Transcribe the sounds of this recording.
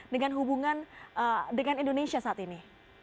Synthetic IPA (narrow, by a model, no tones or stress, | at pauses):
dəŋanɦubuŋanədəŋanindonesiasaat̪ini